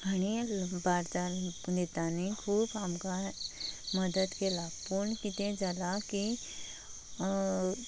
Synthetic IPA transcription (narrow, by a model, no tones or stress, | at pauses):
ɡɐñibaːɾt̪apund̪et̪aːnikʰuːbɦamka | mɐd̪əd̪kelaːpuɾnkit̪ẽd͡ʒɐlaki